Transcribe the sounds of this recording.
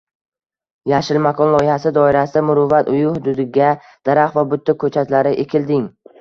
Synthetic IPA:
jaʃɪlmakʰɒnlˠɒɪhasɪd̪ɒɪɾasɪd̪amʊɾʊvat̪ʰʊjʊhʊd̪ʊd̪ɪɡʲa | d̪̥aɾaχvabʊt̪ːɪkʰːɵt͡ʃʰat̪ʲlaɾɪʔekʲʰɪld̪ɪŋ

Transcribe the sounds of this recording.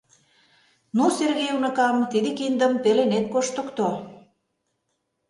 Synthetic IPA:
nuserɣejunə̆kɑmt̪id̪ikind̪əmpelenet̪̚koʃt̪ə̆kt̪o

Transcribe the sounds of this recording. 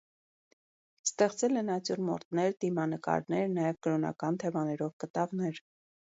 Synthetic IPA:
st̪ɛχt͡sɛlɛnɑt͡sjuɾmɔ̰ɾt̪nɛɾt̪imɑnəkɑ̰ɾnɛɾnɑjɛvkəɾɔnɑ̰kɑnt̪ʰɛmɑnɛɾɔvkət̪ɑvnɛɾ

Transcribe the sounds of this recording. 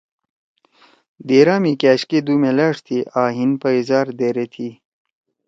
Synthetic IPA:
d̪eɾaːmikaːɕked̪uːmelaːʂt̪ʰiʔaːɦinpəizaːɾd̪eɾet̪ʰi

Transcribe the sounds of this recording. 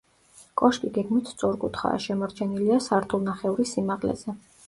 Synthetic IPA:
kʼɔʃk̪ʼiɡɛɡmit̪ʰsʼɔɾkʼut̪ʰχa̰ːʃɛmɔɾt͡ʃʰɛniliasaɾt̪ʰʼulˠnaχɛuɾisimaʁlɛ̰z̥ɛ

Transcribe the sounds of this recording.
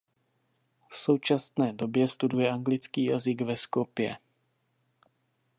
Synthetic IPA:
fso̞wt͡ʃast̪nɛːdo̞bjɛst̪udujɛʔaŋɡlɪt͡skiːjazɪɡvɛskopjɛ̰

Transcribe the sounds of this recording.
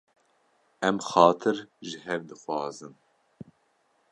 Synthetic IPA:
ɛmxɑːt̪ʰɨɾʒɨɦɛvd̪ɨxwɑːzɨn

